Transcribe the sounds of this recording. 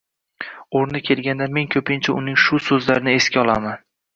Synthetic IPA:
oɾnɪkʲʰe̞lˠɡʲand̪ame̞ŋkʲʰɵpʰɪnt͡ʃʰaʊnɪŋʃʊsɵzlaɾɪnɪe̞skʲaɒlˠaman

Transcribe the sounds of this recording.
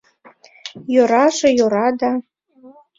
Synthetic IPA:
joɾɑʒĕjoɾɑd̪ɑ

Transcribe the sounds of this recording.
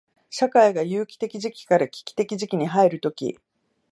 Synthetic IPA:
ɕakaiɡajɯːkʲi̥t̪e̞kʲiʑikʲi̥kaɾakʲi̥kʲi̥t̪e̞kʲiʑikʲiɲ̟iɦaeɾɯ̟t̪o̞kʲḭ

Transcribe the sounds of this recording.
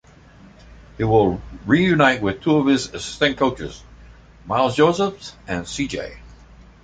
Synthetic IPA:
hiwɪlˠɹijʉnaɪt̚wɨð̥tʰuʌv̥ɪzɨsɪ̥stɨ̃nkʰoʊt͡ʃə̰z̥ | maɪlˠsd͡ʒoʊzəfɨ̃nsid͡ʒḛɪ

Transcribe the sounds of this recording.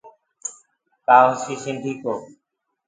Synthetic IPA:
kaːõsiːsɪ̃nɖʱiːkoː

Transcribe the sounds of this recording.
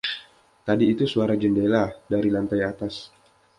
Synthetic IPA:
t̪adiːt̪usuaɾad͡ʒəndeladaɾilant̪ajat̪as

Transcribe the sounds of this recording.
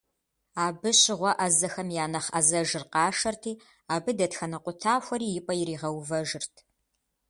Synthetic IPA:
aːbɨɕɪʁʷɔʔɐzɐxɐmjaːnɐχɐzɐʒɨrqɑːʂɐrtʰiː | aːbɨdɐtxɐnɐqʷʼʊtʰaːxʷɐɾiːjɪpʼɐjɪɾiːʁɐwvɐʒɪrtʰ

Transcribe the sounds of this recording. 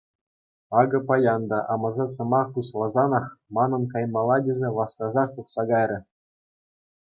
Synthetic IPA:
ɑɡɤ̆pɑjɑnd̪ɑʔɑmɤ̆ʐɤ̆sɤ̆mɑχpuslˠɑzɑnɑχmɑnɤ̆nkɑjmɑlˠːɑdʲezʲeʋɑskɑʐɑχt̪uχsɑɡɑjɾʲɘ̆

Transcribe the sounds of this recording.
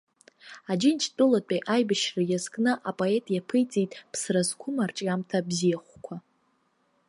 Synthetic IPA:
ad͡ʒɪnt͡ʃʰtʼʊlatʷʼajʔajbɨʃrajazkʼnɨʔapʼoetʼjapʰɨjt͡sʼejtʼpʰsrazkʷʰʊmart͡ʃʼamtʰabzijaχʷkʷʰa

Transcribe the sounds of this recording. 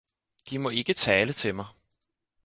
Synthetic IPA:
d̥imɒ̽e̝ɡ̥ət͡sʰɛːlət͡sʰe̝mɑ̈ɪ

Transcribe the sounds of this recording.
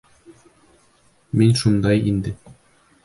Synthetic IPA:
minʲʃund̪ɑjind̪ɘ

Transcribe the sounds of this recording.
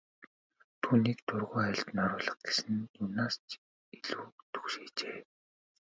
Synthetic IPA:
t̪ʰuːniːkt̪ʰʊrʁʊːæɪ̆ɬt̪nɔɾʊːɮə̥̆χ̚ɡ̥esɘ̆njʊnaːst͡ɕ | iɮuːt̪ʰu̥xʃeːt͡ɕeː

